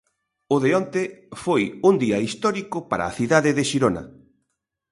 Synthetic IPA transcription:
ʊðeɔnt̪efojund̪iɐist̪ɔɾikʊpaɾa̰ːθiðaðɪðeʃiɾonɐ̰

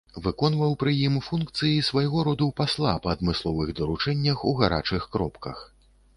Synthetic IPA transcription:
vɨkɔn̪vɐwpɾɨjimfunkt̪sɨjisvajɣɔɾɔd̪uwpaslˠapɐːd̪mɨslˠɔvɨɣd̪ɐɾut͡ʂɛnʲːɐxuɣaɾa̰t͡ʂɨxkɾɔpkɐ̰x

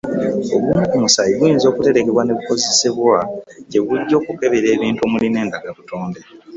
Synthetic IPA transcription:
oβumukumusajiβujinzo̞ːkute̞ɾeke̞βwane̞βuko̞ze̞seβwaɟe̞βuɟːo̞ːkuke̞βeɾe̞ːβiːntuomuline̞ːndaɡaβutoːnde̞

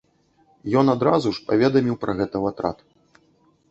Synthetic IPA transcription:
jɔnad̪ɾazuʂpavʲɛd̪ɐmʲiwpɾʔɐɣɛt̪ɐvat̪ɾa̰t̪

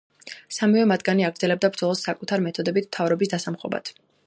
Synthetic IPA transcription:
samivɛmad̪ɡaniaɡɾd̪zɛlɛb̚d̪abɾd̪zɔlˠɔsːakʼut̪ʰaɾimɛt̪ʰɔd̪ɛbit̪ʰmt̪ʰavɾɔbisd̪asamχɔ̰ba̰t̪ʰ

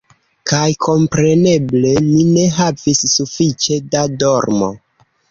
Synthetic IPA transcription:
kajkʰo̞mpɾe̞ne̞ble̞mine̞ɦavisːufit͡ʃe̞dado̞ɾmo̰

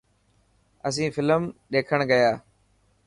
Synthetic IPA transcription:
əs̬ĩːfɪləmɗeːkʰəɳɡəjaː

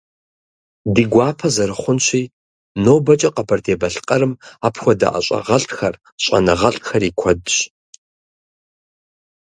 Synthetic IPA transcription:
diːɡʷaːpʰɐzɐɾɨχʷʊnɕiː | noːbɐt͡ʃʼɐqɐbʰɐrdeːbɐɬɨ̥qʼɐɾɨmaːpʰxʷɔdɐ̰ʔɐ̰ɕʼɐ̰ʁɐɬʼtxɐr | ɕʼɐ̰nɨʁɐɬʼxɐriːkʷʰɔdɕ

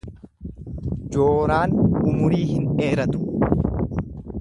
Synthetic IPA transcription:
d͡ʒoːɾaːnʊmʊɾiːhɪneːɾɐt̪ʊ̥

